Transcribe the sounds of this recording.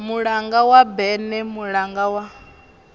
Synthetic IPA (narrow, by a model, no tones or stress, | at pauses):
muɺaŋɡawabɛnɛmuɺaŋɡawa